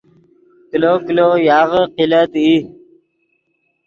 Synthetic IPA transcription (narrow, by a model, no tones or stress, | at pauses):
kilokilojaːʁəqilət̪i